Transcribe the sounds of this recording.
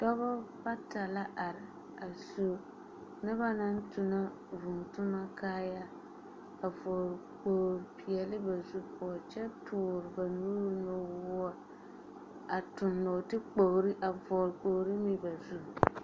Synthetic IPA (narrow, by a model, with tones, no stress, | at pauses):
tɔ˦bɔ˦ba˦ta˨la˦ʔa˨ɾɪ˨ | a˨zu˦ | nɨ˦ba˦na˦n˦tʊ˨na˦ | vʊ˨ŋ˨tʊ˦ma˦kaː˦ja˦ | a˨vɔ˨ɾk͡po˨ɾpi˨ɛ˨lɪ˦ba˨zu˦pʰɔ˨t͡ʃɛ˦tʰʊː˨ɾɪ˨ba˨nuː˦ɾno˨˦wʊ˦a˦ | a˨tʊ˨nːɔ˨tɪ˦k͡po˨ɣɾi˦ʔa˨vɔ˨ɾk͡po˨ɣɾi˦mi˦ba˨zu˦˨